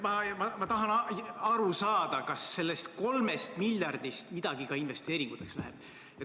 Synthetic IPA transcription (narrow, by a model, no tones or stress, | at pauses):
mɑmɑmɑt̪ɑɦɑnɑɾusɑːd̪̥ɑkɑsːe̞lːest̪ko̞lme̞st̪miljɑrd̪̥ist̪mid̪̥ɑɡ̥ikɑinve̞st̪e̞ːɾiŋɡ̥ut̪ːˑekslæɦḛb̥ | jɑ